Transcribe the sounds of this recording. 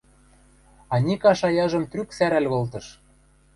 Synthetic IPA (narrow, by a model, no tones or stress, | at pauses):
ɑnʲikɑʃɑjɑʒɤ̆mt̪ryksæɾælɣɤ̆lt̪ɤ̆ʃ